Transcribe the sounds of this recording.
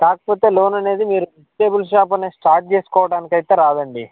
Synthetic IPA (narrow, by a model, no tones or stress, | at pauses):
kaːkɐ̥poːt̪e̞ːlo̞ːnɐne̞ːd̪imiːɾuisʈeːbulʂ̬aːp̬ɐneːsʈaːɾʈ̚t͡ʃe̞ːsu̥kɔːʋɐɽaːnikɐjt̪eːɾaːd̪ɐɳɖi